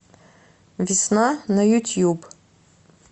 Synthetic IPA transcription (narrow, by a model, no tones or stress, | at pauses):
visnanajutʰjub